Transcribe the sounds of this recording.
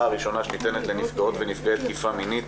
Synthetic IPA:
aʁiʃo̞naʃenit̪e̞ne̞t̪le̞nifɡaot̪venifɡeet̪kifaminit̪

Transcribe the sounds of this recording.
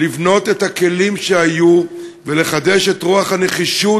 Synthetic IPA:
ivno̞t̪e̞thake̞limʃeajuvele̞χad̪e̞ʃe̞tʁuaχhane̞χiʃu

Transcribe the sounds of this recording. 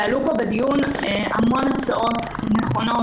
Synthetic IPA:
alupobedijuneamo̞nat͡saʔo̞t | neχo̞no

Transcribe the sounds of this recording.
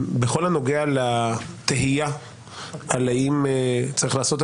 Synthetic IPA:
beχo̞lhano̞ɡealat̪eɦija | alaimt͡saʁiχlaːso̞t̪e

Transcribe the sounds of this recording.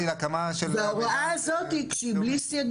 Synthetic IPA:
ilakamaʃebeaʁaʔaazott̪ikʃiblisjaɡ

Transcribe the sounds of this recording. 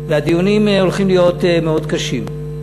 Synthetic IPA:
vead̪ijunimeo̞lχimlijo̞t̪emeo̞d̪kaʃim

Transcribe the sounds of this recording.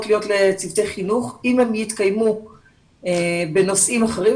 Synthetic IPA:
tlijo̞tlet͡sivt̪e̞jχinuχimhemjitkajmu | ebe̞no̞sʔimaχeʁi

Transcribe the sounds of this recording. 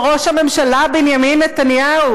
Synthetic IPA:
ʁo̞ʃhame̞mʃalabinjaminːet̪anjahu

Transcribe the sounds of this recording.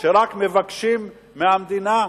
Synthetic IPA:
ʃeɾakmevakʃimː | eamd̪ina

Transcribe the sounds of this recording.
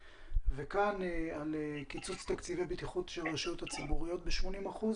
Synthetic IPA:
vekanealekit͡sut͡st̪akt͡sivebit̪iχut̪ʃelʁaʃjot̪hat͡sibuʁijo̞t̪̚beʃmo̞nimaχuz

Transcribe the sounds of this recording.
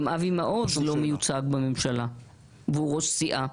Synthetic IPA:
mʔavimaʔot̪hlo̞mejut͡saɡbamemʃala | veuʁoʃsiʔa

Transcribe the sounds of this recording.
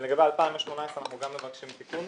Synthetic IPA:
leɡabealpaimoʃmonaesanaχnuɡamːevakʃimt̪ikun

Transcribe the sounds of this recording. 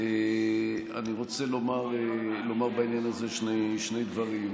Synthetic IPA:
e | a̰niʁo̞t͡selo̞maʁelo̞maʁbainjanaze̞ʃneʃne̞jd̪vaʁim

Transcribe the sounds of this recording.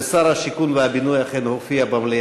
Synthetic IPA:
saɾhaʃikunveabinujaχenhofiabamle

